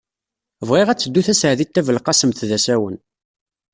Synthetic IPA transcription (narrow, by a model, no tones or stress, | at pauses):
vʁiʁæt͡sːəd̪ːuθæsʕðit̪ːævəlqɑsəmθðæsæwən